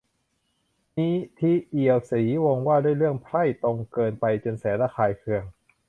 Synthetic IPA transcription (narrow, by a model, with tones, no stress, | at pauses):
niː˦˥t̪ʰiː˦˥˩ʔi˨˩əwsiː˩˦wɔ˧ŋwaː˥˩du˥˩əjɾɯ˥˩əŋpʰɾa˥˩jt̪o˧ŋkɤː˧npa˧jt͡ɕo˧nsɛː˩˦nla˦˥˩kʰaː˧˩jkʰɯ˧əŋ